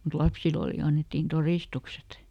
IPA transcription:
mut lɑpsil oli ɑnːetːiːn toriˑstukset

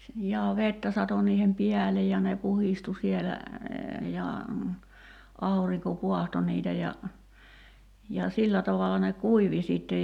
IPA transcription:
jɑː ʋetːæ sɑto niːhem piælej jɑ ne puhistu sielæ jɑ ɑuriŋko puɑhto niːtæ jɑ jɑ silːæ tɑʋɑlɑ ne kuiʋi siˑtːej

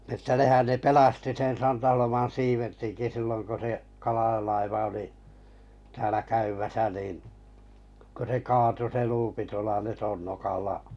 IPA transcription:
ĕtːæ nehæn ne pelɑsti sen sɑntɑholomɑn̞ siːʋertiŋki silːoŋ ko se kɑlɑj̆ɑlɑiʋɑ oli tæːlæ kæymæsæ niːn ko se kɑːtu se luːpi tuolɑ letonːokɑlːɑ

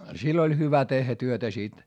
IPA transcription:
silː olʲ hyʋæ tehːæ tyøtæ sit

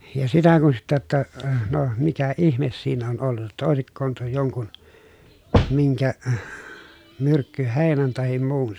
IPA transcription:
jɑ sitæ kun sitːæ tːæ no mikæ ihmes siːn on olːut tɑ oˑesikːoːn tuo joŋkun miŋkæ myrkːyheˑi̯næn tɑhim muːn

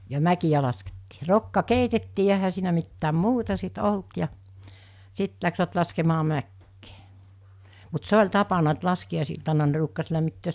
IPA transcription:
jɑ mækij̆æ lɑsketːiː rokːɑ keitetːiː jɑ ehæ siːnæ mitːæːm muːtɑ sit olt jɑ sit læksʋæt lɑskemɑː mækːeː mut se olʲ tɑpɑnɑ et lɑskiɑˑisiltɑnɑ ne ruːkːɑs læmːitːøːs

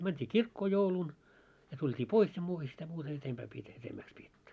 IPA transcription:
mæntʲi kirkːoː joulun jɑ tultʲiː pois jɑ muːtɑ sitæ muːtɑ etempæː pietæ etemːæːks pietːy

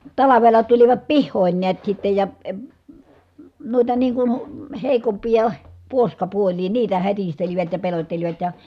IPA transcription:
tɑlɑʋelɑ tuliʋɑt pihːoˑin niæt sitːej jɑ eə nuitɑ niːŋ kun heˑikompijɑ puoskɑpuolʲiː niːtæ hætisteliʋæt jɑ pelotʲteliʋɑt jɑ

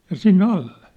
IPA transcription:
jɑ sinːĕ ɑlːe

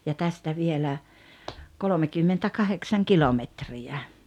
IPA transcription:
jɑ tæstæ ʋielæ kolomekymːentækɑheksɑŋ kilometriæ

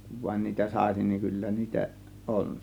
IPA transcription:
kuʋ ʋɑĭn niːtæ sɑˑe̝sin niːŋ kylːæ niːtæ ʔon

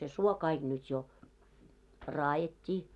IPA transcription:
se suo kɑiɡ̊ nyt jo rɑːjetʲːiː

